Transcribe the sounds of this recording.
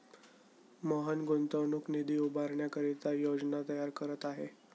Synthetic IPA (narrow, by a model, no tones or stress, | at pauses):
məɦənɡont̪əwnuknid̪iːubaɾɳjakəɾit͡sajod͡znat̪əjaɾkəɾət̪aɦe